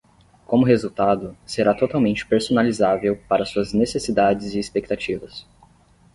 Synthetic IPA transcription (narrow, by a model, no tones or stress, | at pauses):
kõmʊɦezuwt̪ad̪ʊseɾat̪ot̪awmẽnt͡ʃɪ̥peɾsonalizavewpaɾɐsuɐznesesid̪ad͡ʒɪzɪːspek̚t̪at͡ʃivɐs